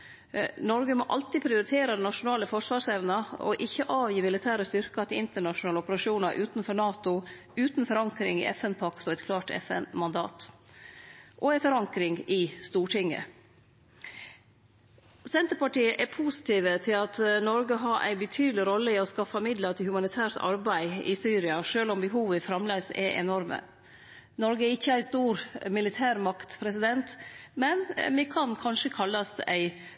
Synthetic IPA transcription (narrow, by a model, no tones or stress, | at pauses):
nɔɾɡəmɔʔɑ̰lt̪ɪpʰɾɪʊɾɪt̪ʰeːɾɑd̪ɛnɑʂʊnɑːləfɔʂʋɑːʂæɪʋənɑɔ̰ʔɪçːəʔɑːʋjiːmɪlɪt̪ʰæːɾəst̪ʏɾkɑt̪ʰɪɪnt̪əɳɑʂʊnɑːləɔpəɾɑʂuːnɑɾʔʉːt̪nfɔɾɳɑːt̪ʊ | ʉːt̪nfɔɾɑŋkɾɪ̰ŋɪ̰ʔɛ̰fɛnpʰɑkt̪ɔɛt̪kʰlɑːʈɛ̰fɛ̰nmɑnd̪ɑ̰ːt̪ | ʔɔæɪfɔɾɑŋkɾɪŋɪst̪uːʈʰɪŋːə̰ | sɛnt̪əɾpɑʈiːəʔɛpʰusɪ̥t̪ʰiːʋət̪ʰɪlɑt̪nɔɾɡəɦɑʔæ̰ɪbət̪ʰyːd̪əlɪɾɔlːəɪɔskɑfɑmɪd̪lət̪ʰɪlhʉmɑnɪt̪ʰæːʈ̪ɑ̰ɾbæɪɪ̰syːɾɪɑʂøːlɔmbəɦuːʋəfɾɑmlæːsɛ̰ʔɛ̰nɔɾmə̰ | nɔɾɡəɛɾɪçːəæɪst̪uːɾmɪlɪt̪ʰæːɾmɑkt̪pʰɾɛs̬ɪd̪ɛnt̪mɛnmɛkʰɑnkʰɑnʂəkʰɑlːɑst̪æɪ